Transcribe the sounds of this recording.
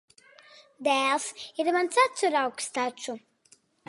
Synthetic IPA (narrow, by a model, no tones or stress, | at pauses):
d̪æːlˠsiɾmant̪sat̪suɾawkst̪at͡ʃu